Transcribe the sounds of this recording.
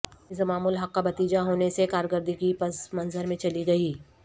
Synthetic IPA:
ɪsəmaːmuːlɦɐkːabɐt̪iːd͡ʒaɦoːnesekaːɾɡəɾd̪ʱikipɐsmɐ̃nzəɾmẽt͡ʃɐliɡɐiː

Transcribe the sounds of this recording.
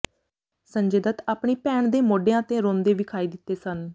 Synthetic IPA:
səɲd͡ʒeːd̪ət̪aːpɳiːpɛːɳd̪eːmoːɖeːãːt̪ẽːɾõːnd̪eːʋɪkʰaːiːd̪ɪt̪ːeːsən

